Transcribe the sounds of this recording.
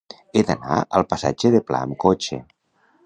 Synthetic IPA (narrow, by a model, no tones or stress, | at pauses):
ed̪ana̰əlˠpasa̰d͡ʒeðepla̰əmkot͡ʃḛ